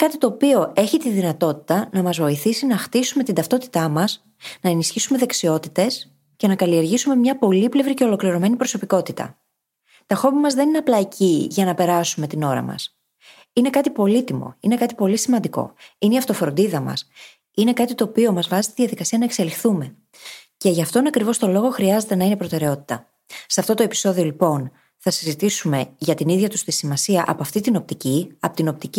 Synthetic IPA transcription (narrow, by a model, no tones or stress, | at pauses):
kɐt̪i̥t̪o̞ːpio̞e̞çit̪iðinɐt̪o̞t̪i̥t̪ɐnɐmɐzvo̞iθisinɐxt̪isume̞t̪ind̪ɐft̪o̞t̪i̥t̪ɐmɐs | nɐe̞nisçisume̞ðe̞ksio̞t̪it̪e̞s | ce̞nɐkɐlie̞ɾʝisume̞mɲɐpo̞liple̞vɾice̞o̞lo̞kliɾo̞me̞nipɾo̞so̞piko̞t̪it̪ɐ̰ | t̪ɐxo̞mimɐzðe̞nineɐplɐicʰiʝɐnɐpe̞ɾɐsume̞t̪ino̞ɾɐ̰mɐ̰s | ine̞kɐt̪ipo̞lit̪imo̞̰ine̞kɐt̪ipo̞lisimɐnd̪iko̞̰ineiɐft̪o̞fɾo̞nd̪iðɐmɐ̰s | ine̞kɐt̪it̪o̞ːpio̞mɐzvɐzist̪iðiɐðikɐsiɐnɐe̞kse̞lixθume̞ | ce̞ʝɐft̪o̞nɐkɾivo̞st̪o̞lo̞ɣo̞xɾiɐze̞t̪e̞nɐine̞pɾo̞t̪e̞ɾeo̞t̪i̥t̪ɐ | sɐft̪o̞t̪oe̞pi̥so̞ðio̞lipo̞n | θɐsizit̪isume̞ʝɐt̪iniðʝɐt̪ust̪isimɐsiɐʔɐpoɐft̪it̪ino̞p̚t̪iciɐpot̪ino̞p̚t̪ici